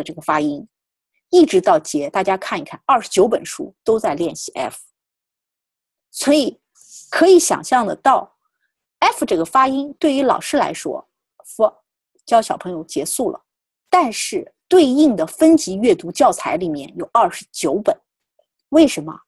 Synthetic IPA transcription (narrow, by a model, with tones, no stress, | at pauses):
ə˧ʈ͡ʂɤ˥˩ɡə˩fa˥i˥ŋ | i˥˩ʈ͡ʂɻ̩˧˥t̪ɑ˥˩ʊt͡ɕjɛ˧˥t̪a˥˩t͡ɕja˥kʰa˥˩ni˧˥kʰa˥˩nɐ˞˥˩ʂɻ̩˧˥t͡ɕjo˧˥ʊpə˨˩nʂṵ˥t̪o˥ʊt͡sa˥˧ɪljɛ˥˧nɕi˥˩ʔɛ̰˥fu̥˨˩ | swɔ˧˥i˨˩˦ | kʰɤ˧˥i˧˥ɕjɑ̰˨˩ŋɕjɑ˥˩ŋd̪ə̰˩t̪ɑ˥˩ʊ | ɛ˥fu˧˩ʈ͡ʂɤ˥˩ɡə˩fa˥i˥ŋt̪we˥˩ɪy˧˥lɑ̰˨˩ʊʂɻ̩˥la̰˧˥ɪʂwɔ̰˥ | f | t͡ɕjɑ˥ʊɕjɑ˨˩ʊpʰɤ˧˥ŋjo˧ʊt͡ɕjɛ˧˥su˥˩lə̰˩ | t̪a˥˧nʂɻ̩˥˩t̪we˥˧ɪi˥˩ŋd̪ə˩fə˥nt͡ɕi˧˥ɥɛ˥˩t̪u˧˥t͡ɕjɑ˥˩ʊt͡sʰa˧˥ɪli˨˩mjɛ̰˥˩njo˨˩ʊɐ˞˥˩ʂɻ̩˧˥t͡ɕjo˧˥ʊpə˨˩˦n | we˥˩ɪʂə˧˥nmə̰˧